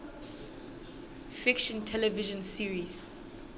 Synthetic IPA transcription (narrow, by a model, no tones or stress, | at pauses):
fikʃɔ̃ntʰɛlɛviʒɔ̃nsiɹiz̥